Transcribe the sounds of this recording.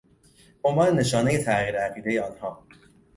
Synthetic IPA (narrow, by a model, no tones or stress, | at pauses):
ombɒːnene̞ʃɒːne̞jet̪ʰæʔʁiːɾeæɣiːd̪e̞jeɒːnhɒː